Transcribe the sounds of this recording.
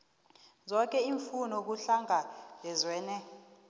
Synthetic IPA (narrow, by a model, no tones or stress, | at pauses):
zɔk̬ʼɛiɱfunɔk̬uɬaŋabɛzwɛːnɛ